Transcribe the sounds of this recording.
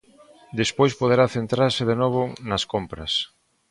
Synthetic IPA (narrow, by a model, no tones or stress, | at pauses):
d̪espojspoð̞eɾaθent̪ɾaɾsɪðenɔβʊnɐskompɾɐ̰s